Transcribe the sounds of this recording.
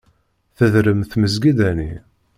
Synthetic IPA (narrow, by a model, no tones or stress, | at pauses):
θəðɾəmθməzɡiðæni